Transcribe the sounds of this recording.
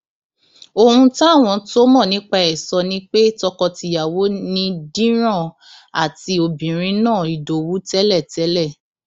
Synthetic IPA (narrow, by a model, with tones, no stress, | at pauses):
o˧hũ˧ta˦˨w̃ɔ̃˧to˦mɔ̃˦˨nĩ˨˦k͡pa˧ɛ˨sɔ˧nĩ˦k͡pe˦tɔ˧kɔ˧ti˧ja˨wo˨˦nĩ˧dĩ˦ɾ̃ã˦˨ | a̰˨ti˧˦o˧bĩ˨ɾ̃ĩ˧nãː˦˨i˨do˨˦wu˦tɛ˦lɛ˦˨tɛ˨˦lɛ˦˨